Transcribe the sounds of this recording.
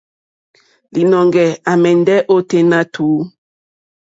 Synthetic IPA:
li˨nɔ˨ŋɡɛ˨a˨mɛ˨ndɛ˦ʔo˦te˦na˦tʰuː˨˦

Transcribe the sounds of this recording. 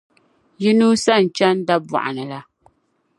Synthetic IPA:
ji˦nu˦sa˦˨n̩˨t͡ʃa˦n˦da˦ba̰˨ʔa̰˨nɨ˨la˦

